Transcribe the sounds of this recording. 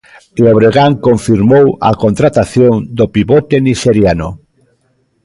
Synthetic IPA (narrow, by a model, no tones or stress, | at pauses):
eoβɾeɣaŋkoɱfiɾmowa̰kont̪ɾat̪aθjoŋd̪opiβot̪eniʃeɾjano